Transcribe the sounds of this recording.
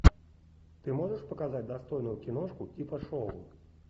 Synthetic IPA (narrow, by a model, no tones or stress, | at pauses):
t̪ɨmɔʐɐʂpɐkazad͡zʲd̪ast̪ɔjnujukʲinɔʂkuipɐʂɔvṵ